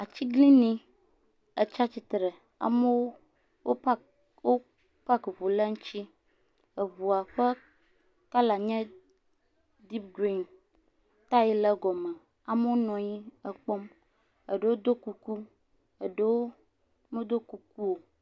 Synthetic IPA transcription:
a˨t͡ɕi˦ɡlĩ˦nĩ˦ | ə˨t͡ʃa˦t͡ɕi˦t̪ɾɛ˨ | a̰˨mə˦wo˦ | wo˦ | wo˦ | pa˦kβo˨lə˦ŋũ˦t͡ɕi˦ | ə˨βu˨a˨ɸɛ˦ | ka˦la˨ɲɛ̃˦ | d̪i˦p̚ɡɾi˦n | t̪a˦ji˦lə˦ɡɔ˨mɛ̃˨ | a˨mə˦wo˦nɔ̃˨ɲi˦ə˨k͡pɔ˦m | ə˨ɖə˦wo˦d̪o˦ku˦ku˦ | ə˨ɖə˦wo˦ | me˦d̪o˦ku˦ku˦wo˨

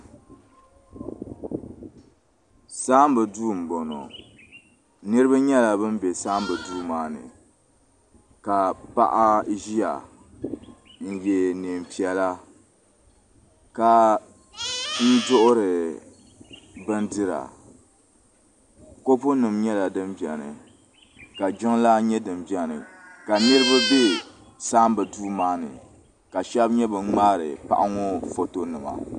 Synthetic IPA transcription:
saː˦m˦bɨ˨duː˦m˨bo˨no̰˨ | nɨ˦ɾɨ˦ba˦ɲɛ˦la˨bɨ˦m˦bɛ˨saː˦m˦bɨ˨duː˦maː˨˦nɨ̰˨ | ka˨pa̰˦ʔa˦ʒi˦ja̰˨ | n̩˨jɛ˨nɨ˨m˨pi˨ɛ˨la˦ | ka˨ | n̩˦dʊ˦ʔʊ˦ɾɨ˨ | bɨ˦ndɨ˦ɾa̰˨ | ko˦pʊ˦nɨ˨mɲɛ˦la˨dɨ˦mbi˨ɛ˨nɨ̰˨ | ka˨d͡ʒʊ˦ŋ˦la˦ɲɛ˦dɨ˨mbi˨ɛ˦nɨ̰˨ka˨nɨ˦ɾɨ˦ba˦be˦ | saː˦m˦bɨ˨duː˦maː˦nɨ̰˨ | ka˨ʃɛ˦bɲɛ˦bɨ˨n˦ŋ͡maː˦ɾɨ̰˨pa̰˦˨ʔa˦ŋɔ˦fo˦to˦nɨ˨ma̰˨

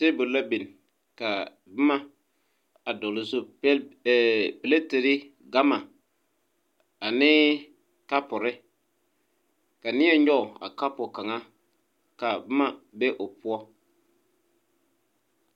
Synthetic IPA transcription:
te˦bʊ˨la˦bi˨n | ka˨ | bɪ˦ma˦ | a˨dʊ˨lɪ˨zo˦ɛ˦˨ | pɪ˨le˦te˨ɾɪ˦ | ɡa˦ma˨ | a˨nɪ˦ | ka˦pʊ˨ɾɪ˦ | ka˨nɪ˦ɛ˦ɲɔ˦ʊ˨a̰˨ka˦pʊ˨ka˨ŋa˦ | ka˨bɪ˦ma˨bɛ˦ʔʊ˨pʊ˦ɔ˦

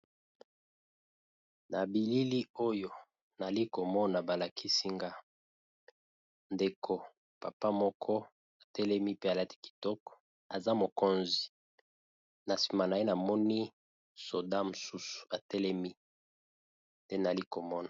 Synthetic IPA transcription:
na˨bi˨li˦li˦o˦jo˦ | na˨li˦ko˨mɔ˦na˨ba˨la˨kʰi˦si˦ŋɡa˦ | nde˨kʰo˨ | pa˨pa˦mɔ˦kʰɔ˦ | a˨tɛ˦lɛ˦mi˦pe˦a˨la˦ti̥˦ki̥˨tɔ˦kɔ̥˨ | a˨za˦mo˨ko˦nzi˨ | na˨si˨ma˨na˨je˦na˨mɔ˦ni˦ | so˨da˦mo˨su˦su̥˨a˨tɛ˦lɛ˦mi˦ | tɛ˦n˨a˨li˦ko˨mɔ˦na˨

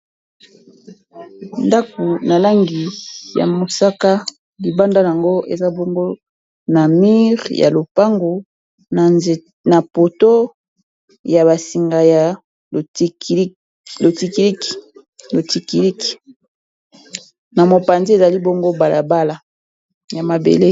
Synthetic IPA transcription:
nda˦ko˨na˨la˦ŋɡi˨ja̰˨mo˨sa˦ka˦ | li˨ba˦nda˦ja˨ŋɡo˦ʔḛ˨za˦bo˦ŋɡo˦ | na˨mi˦ʁja̰˨lo˨pa˦ŋɡo˨ | na˨po˨to˦ | ja˨βa˨si˨ŋɡa˨ja˨˦ | lo˨ti˨ki˨i˦k | lo˨ti˨ki˨li˦ki̥˨ | na˨mo˨pa˨nze˦e˨za˨li˦bo˦ŋɡo˦ba˨lʔa˨ba˦la˨ | ja˨ma˨bḛ˨le˦

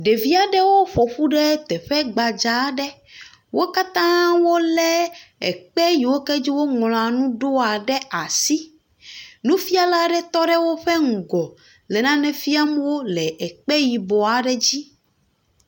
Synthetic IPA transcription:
ɖe˨vi˦a˨ɖɛ˦wo˦ɸo˨ɸu˦ɖɛ˦t̪ɛ˨ɸɛ˦ɡ͡ba˨d͡ʒa˨˦ɖɛ˦ | wo˦ka˦t̪ã˦wo˦lɛ˦ɛ˨k͡pɛ˦ji˨wo˦kɛ˦d͡ʑi˦wo˦ŋɔ̃˨l̃ã˨nũ˦ɖo˦a˨ɖɛ˦ʔa˨si˦ | nũ˦fi˦a˦la˦ɖɛ˦t̪ɔ˦ɖɛ˦wo˦ɸɛ˦ŋ̩˨ɡɔ˨ | lɛ˨nã˦nɛ̃˨fi˦a˦mũ˦wo˦lɛ˨ʔɛ˨k͡pɛ˦ji˨bɔ˨a˨ɖɛ˦d͡ʑi˦

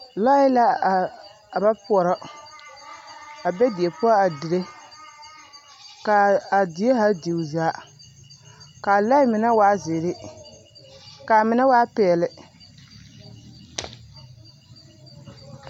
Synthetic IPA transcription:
la˦ɪ˦la˦˨ | a˨ba˦pʊ˨ɔ˨ɾɔ˦ | a˨bɛ˦di˨e˨pʊ˦a˦a˨dɪ˨ɾe˦ | ka˨a˨di˨˦e˦ɦa˦di˨zaː˨˦ | ka˨la˦ɪ˦mɪ˨na˦waː˦zɪ˨ɾɪ˦ | ka˨mɪ˨na˦waː˦pɛ˨ɛ˨lɪ˨

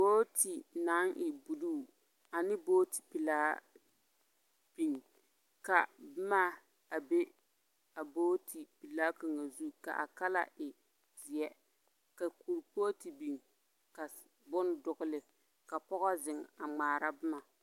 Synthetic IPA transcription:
boː˦ti˨na˨˦ŋʔɪ˨bu˨luː˦˨ | a˨nɪ˦boː˦ti̥˨pi˨laː˦ | b̥i˨ŋ | ka˨bɪ˦ma˦ | a˨be˦ | a˨boː˦tʰi˨pi˨laː˦ko˨ŋa˨zu˦ka̰˨ʔa̰˨ka˦la̰˦ʔɪ˨ | zɪ˨ɛ˦ | ka˨ku˨ɾpoː˦ti˨bi˨ŋ | ka˨ | bʊ˦n˦dʊ˨ɣʊ˦lɪ˨ | ka˨pɔ˦ɣɔ˦zɪ˨ŋa˨ŋ͡maː˨ɾa˦bɪ˦ma˨

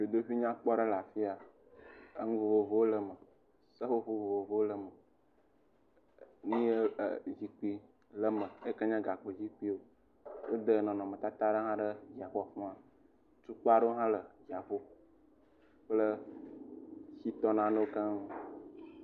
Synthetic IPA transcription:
jo˨d̪o˦ɸi˦ɲã˦k͡pɔ˦ɖə˦la˨fi˦a˨ | ə˦ŋũ˦vo˨vo˨vo˦wo˦lə˦mə˨ | sə˦ɸo˦ɸo˦vo˨vo˨vo˦o˦lə˨mə˨ | nĩ˦e˦˨d͡ʑi˨k͡pi˦ | lə˦mə˨e˦kə˦ɲã˦ɡa˨k͡pə˨d͡ʑi˦k͡pi˦wo˦ | wo˦d̪ə˦nɔ̃˨nɔ̃˨mə̃˨t̪a˦t̪a˦ɖə˦ɦã˦ɖə˦d͡ʑi˨a˨ɸɔ˦˨ɸɔ̃˦a˨ | tu˦k͡pa˦ɖə˦o˦ɦã˦lə˨d͡ʒi˨a˨ɸo˦ | k͡plə˦ | si˦t̪ɔ˦nã˨nə̃˦wo˦kã˦ŋ˦

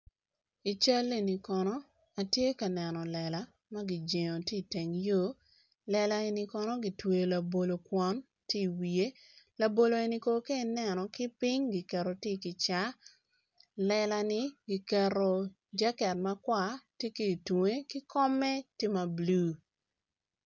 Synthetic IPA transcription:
i˨t͡ʃa˦le˦˨ni˨kɔ˨nɔ˦ | a˨tje˦ka˨nɛ˨nɔ˨lɛ˨la˨˦ | ma˦ɡi˨d͡ʒe˨ŋo˨ti˦˨te˨ŋjo˦ | lɛ˨la˦e˨ni˨kɔ˨nɔ˦ɡi˨twe˨jla˨bo˨lo˨kwɔ˦n | ti˦˨wi˨e˦ | la˨bo˨lo˨e˨ni˦ko˨ke˦˨nɛ˨nɔ˨kɪ˦pi˦ɲɡi˨kɛ˨ɾo˨tɪ˦kɪ˨t͡ʃa˦ | lɛ˨la˨nɪ˦ɡi˨kɛ˨ɾo˨ | d͡ʒa˦kɛ˨t̚ma˦kwa˦˨tje˦ke˨i˨twŋe˦kɪ˦kɔ˦mɛ˦te˦ma˨blu˦

